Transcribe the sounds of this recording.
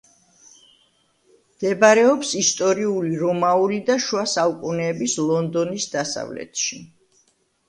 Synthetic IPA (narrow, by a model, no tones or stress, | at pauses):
md̪̥ɛbaɾɛɔpsist̪ʼɔɾiuliɾɔmaulid̪aʃwasaukʼunɛːbislˠɔnd̪ɔnisd̪asa̰vlɛ̰t̪ʰʃi